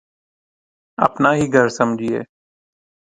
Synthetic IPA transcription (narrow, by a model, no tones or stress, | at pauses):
ə̰pnaːɦiːɡʱəɾsəmd͡ʒʱiːḛː